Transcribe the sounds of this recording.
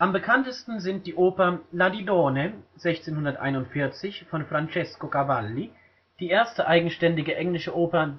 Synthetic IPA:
ʔambəkʰantəstn̩zɪnt̚d̥iːʔoːpɐladidoːnəz̥ɛçt͡seːnhʊndɐtʔa̰ɪnʊntfɪɐt͡sɪçfɔnfʁ̥ant͡ʃɛskokavalːi | d̥iːʔeːɐstəʔaɪɡŋ̩ʃtɛndɪɡəʔɛŋlɪʃəʔoːpɐ

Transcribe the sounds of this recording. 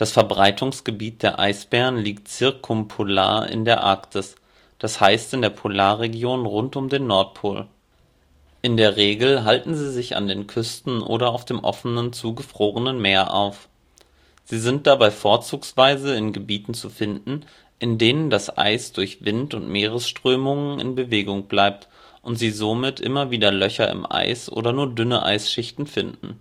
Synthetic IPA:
d̥asfɛɐbʁaɪtʰʊŋsɡ̥əbiːt̚d̥eːɐʔa̰ɪsb̥ɛːʁənliːktt͡sɪɐkʰʊmpʰola̰ːɐɪ̰ndeːɐʔa̰ɐktʰɪs | d̥ashaɪstɪndeːɐpʰolaːɐʁeɡjoːnʁʊntʊmdeːnːɔɐt̚pʰoːl | ʔɪndeːɐʁeːɡl̩ɦaltn̩ziːzɪça̰ndeːnkʰʏstn̩ʔo̰ːɾɐaʊfd̥eːmʔɔ̰fənənt͡suːɡəfʁ̥oːʁənənmeːɐʔa̰ʊf | z̥iːzɪnt̚d̥abaɪfoːɐt͡suːksv̥aɪzəɪnɡəbiːtn̩t͡sufɪndn̩ | ʔɪndeːnəndasʔa̰ɪsd̥ʊɐçv̥ɪntʊntmeːʁ̞əsʃtʁ̥øːmʊŋənʔɪ̰nbəveːɡʊŋb̥laɪp̚t | ʔʊntz̥iːzomɪtʔɪmɐviːdɐlœçɐɪ̰mʔa̰ɪsʔo̰ːɾɐnuːɐdʏnə̰ʔa̰ɪsʃɪçtn̩fɪndn̩

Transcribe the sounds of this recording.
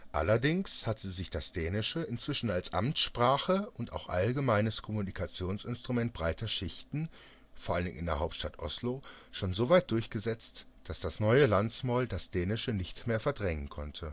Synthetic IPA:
ʔa̰lɐdɪŋshatʰəzɪçd̥asd̥ɛːnɪʃəɪnt͡sv̥ɪʃn̩alsʔa̰mtʃpʁ̥aːχəʊnta̰ʊxʔa̰lɡəmaɪnəskʰɔmunikʰat͡sjoːnsɪnstʁ̥umɛnt̚b̥ʁaɪtɐʃɪçtn̩ | foːɐʔaləndɪŋɪ̰ndeɐɦaʊptʃtatʔɔ̰slo | ʃoːnzoːvaɪt̚d̥ʊɐçɡ̥əzɛt͡st | d̥asd̥asnɔʏəlant͡smaːldasd̥ɛːnɪʃənɪçtmeːɐfɛɐdʁɛŋənkʰɔntʰə

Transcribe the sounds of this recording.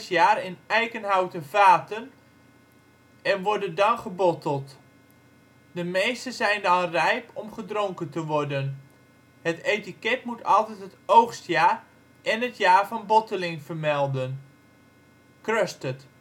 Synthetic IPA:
sjaːrɪnɛjkənɦawtəvaːtən | ɛnʋɔrdəndɑnχəbɔtəlˠt | dəmejstəzɛjndɔnrɛjpɔmχədroŋkəntəʋɔrdən | hətejtikɛtmutʰɑlˠtɛtɦətowxstjaː | ʔɛnɦətjaːrvɑnbɔtəlɪŋv̥ərmɛlˠdən | krøstət

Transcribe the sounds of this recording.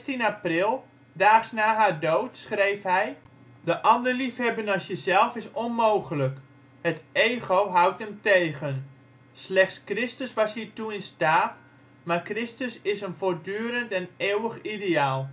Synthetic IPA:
tinaprɪlˠ | daːχsnaːɦaːrdowtsχrejfɦɛj | dəʔɑndərlifhɛbənasjəzɛlˠfɪsɔnmoːχələk | həteːɣowɦʌwtəmtejɣən | slɛχtskrɪstəsʋɑshiːrtuɪnstaːt | maːrkrɪstəsɪsənfoːrdyːɾəntɛneːwəχideaːlˠ

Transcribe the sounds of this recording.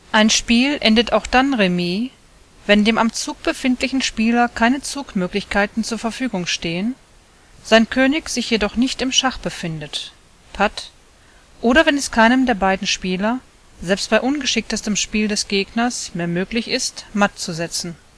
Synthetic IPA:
ʔaɪnʃpiːlʔɛndətaʊxd̥anʁemiː | vɛndeːmamt͡suːk̚b̥əfɪntlɪçn̩ʃpiːlɐkʰaɪnət͡suːkmøːklɪçkʰaɪtn̩t͡suːɐfɛɐfyːɡʊŋʃteːən | z̥aɪnkʰøːnɪçz̥ɪçjedɔχnɪçtɪmʃaχb̥əfɪndət | pʰat | ʔoːɾɐvɛnɛskʰaɪnəmdeːɐbaɪdn̩ʃpiːlɐ | zɛlpst̚b̥aɪʔʊnɡəʃɪk̚təstəmʃpiːldɛsɡ̥eːɡnɐsmeːɐmøːklɪçɪstmat̚t͡suzɛt͡sn̩

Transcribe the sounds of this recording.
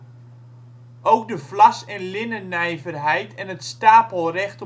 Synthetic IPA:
ʔowk̚dəflasɛnlɪnənɛjvərɦɛjtɛnətstaːpəlˠrɛxt

